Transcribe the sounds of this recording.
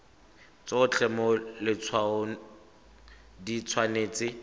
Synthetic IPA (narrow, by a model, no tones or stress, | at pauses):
t͡sɔʊt͡ɬʰɛmɔlɪt͡sʰwaʊ | dit͡sʰwaneːt͡sɪ